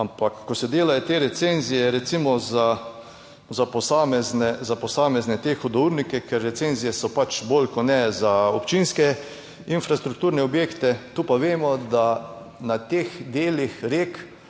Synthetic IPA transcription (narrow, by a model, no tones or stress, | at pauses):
ampakːɔsɛd̪eːlajɔt̪eɾɛt̪senzijɛɾɛt̪simɔza | zapɔsaːmɛznɛzapɔsaːmɛznɛt̪exɔd̪ɔuɾnikɛkɛɾːɛt̪senzijɛsɔpat͡ʃbolkɔnɛzaɔpt͡ʃinskɛ | infɾast̪ɾukt̪uːɾnɛɔbjeːkt̪ɛt̪uːpaʋeːmɔd̪a | nat̪eːxd̪eːlixɾeːk